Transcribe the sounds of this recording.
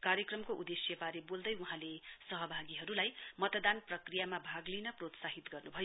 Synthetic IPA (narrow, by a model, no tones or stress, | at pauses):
karjʌkrʌmkoʔud̪esjʌbaɾebold̪ʌjuɦãlesʌɦʌbʱaɡiɦʌɾulajmʌt̪d̪anprʌkrijamabʱaɡlinʌprot̪saɦit̪ɡʌrnubʱʌjo